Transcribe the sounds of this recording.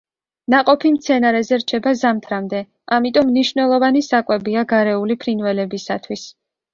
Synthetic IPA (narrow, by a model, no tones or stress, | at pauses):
naqʼɔpʰimt̪sʰɛnaɾɛzɛɾt͡ʃʰɛbazamt̪ʰɾamd̪ɛ | amit̪ʼɔmːniʃvnɛlˠɔvanisakʼwɛbiaɡaɾɛulipʰɾinvɛlɛbisat̪ʰwis